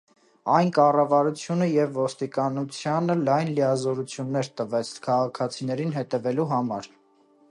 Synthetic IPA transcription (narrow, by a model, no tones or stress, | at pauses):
ɑjnkɑrɑvɑɾut͡sʰjunəjɛvːɔst̪ikɑnut͡sʰjɑnəlɑjnlijɑzɔɾut͡sʰjunːɛɾt̪əvɛt͡sʰkʰɑʁɑkʰɑt͡sʰinɛɾinɦɛt̪ɛvɛluɦɑmɑɾ